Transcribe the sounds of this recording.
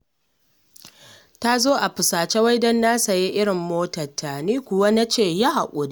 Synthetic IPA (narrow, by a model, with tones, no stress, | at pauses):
ta˦zoː˦ʔa˨ɸɪ˨saː˨t͡ʃe˦wɐ˦jdɐ˦nːaː˦sɐ˨ji˦ʔɪ˦ɽɪ˨mːoː˦tɐ˨tʰːa˨niː˦kʷʊ˨wa˦na˦t͡ʃeː˦˨ja˦ha̰˨kʷʼo˨d